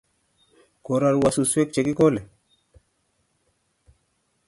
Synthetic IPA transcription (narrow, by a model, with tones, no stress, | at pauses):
ko˨ɾa˨ɾwa˨su˨swe˦k̚t͡ʃe˨ki˦ko˦le˨